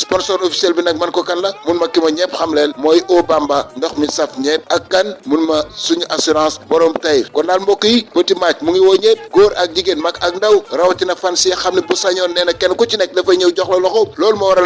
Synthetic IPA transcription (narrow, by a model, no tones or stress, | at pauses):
spɔnsɔɾofi̥sɛlbinɐk̚mɐnkɔkɐnlɐmunmɐkːimɐɲɛpxɐmlɛːlmɔːjʔɔbambandɔxmisɐfɲɛːt̚ɐkkːɐnmunmɐsuɲʔasiɾɑ̃ːsbɔɾɔmtɐjkɔndaːlmbɔkːəjibətimac̚muŋiwɔɲɛːt̚ɡɔːɾʔɐk̚ɟiɡenmɐkɐk̚ndɐwrɐwɐtinɐfansijɐxɐmnibusaɲɔnːɛːnɐkːɛnkɔcinɛk̚dɐfɐɲɛwɟɔxlɐlɔxɔlɔːlmɐwɐɾɐ